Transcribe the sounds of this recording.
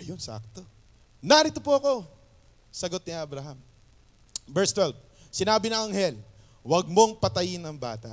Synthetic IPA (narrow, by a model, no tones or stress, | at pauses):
ʔɐjonsa̰k̚t̪o̞ | naɾɪt̪opoɐko̞ | sɐɡo̞t̪̚nɪʔɐbɾɐɦam | vɛɹst̪wɛlv | sɪnaːbɪnɐŋɐŋhɛl | wɐɡ̚mo̞ŋpɐt̪ɐjɪnɐŋba̰ːt̪ɐ̰